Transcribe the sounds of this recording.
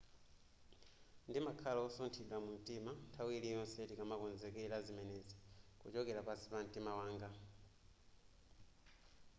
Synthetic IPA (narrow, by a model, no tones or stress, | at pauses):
ndimakʰalaɔsɔntʰiɗwamun̩timantʰawilijɔnsɛtikamakɔnzɛkɛlazimɛnɛzɛkut͡ʃɔkɛlapasi̥pan̩timawaːŋɡa